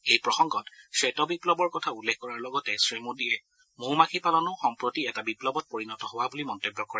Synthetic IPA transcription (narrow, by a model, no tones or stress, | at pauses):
ejpɹɔxɔŋɡɔtsetɔbiplɔbɔɹkɔtʰaulːekʰkɔɹaɹlɔɡɔtɛsɹimodiɛ | muɹmakʰipalɔnʊxɔmpɹotiɛtabiplɔbɔt̚poɹinɔtɔɦowabulimɔntobːɔkɔɹɛ